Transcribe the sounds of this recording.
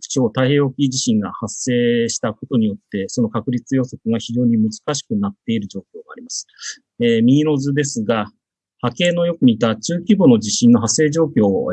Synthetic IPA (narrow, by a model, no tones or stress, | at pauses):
t͡ɕo̞ːt̪aihe̞ːokʲiʑiɕĩŋɡa̰hasːe̞ːɕi̥t̪ako̞t̪o̞ɲ̟ijo̞t̪ːe̞so̞no̞kakɯ̟ɾʲit͡sɨjo̞so̞kɯɡaçiʑo̞ːɲ̟imɯ̟zɨ̥kaɕi̥kɯ̟nat̪ːe̞iɾɯ̟ʑo̞ːkʲoːɡaːɾʲimasɨ̥ | emʲiːɾo̞zɨd̪e̞sɨɡa | hake̞ːno̞jo̞kɯ̟mʲit̪at͡ɕɨːkʲibo̞no̞d͡ʑiɕĩnːo̞ɦasːe̞ːʑo̞ːkʲo̞ː